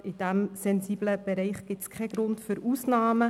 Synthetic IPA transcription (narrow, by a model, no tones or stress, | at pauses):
ɪd̥æmsɛnsiːbləb̥eɾɛɪχɡ̥ɪtskʰɛɡ̥ɾʊntfyɾuːsnaːmə